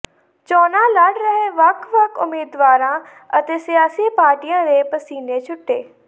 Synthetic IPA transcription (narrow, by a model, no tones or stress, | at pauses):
t͡ʃɔːnãːləɽɾəɦeːʋəkʰʋəkʰʊ̰meːd̪ʋaːɾãː | ət̪eːsɪjaːsiːpaːɾʈijãːɾeːpəsiːneːt͡ʃʰʊʈːeː